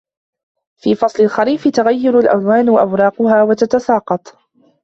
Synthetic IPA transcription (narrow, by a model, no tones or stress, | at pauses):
fiːfɑsˤlɪlxaɾiːfɪt̪ʊɣajːʊɾalʔa̰lwaːnʔawɾˤɑːqʊhaːwat̪at̪asɑːqɑt̪ˤ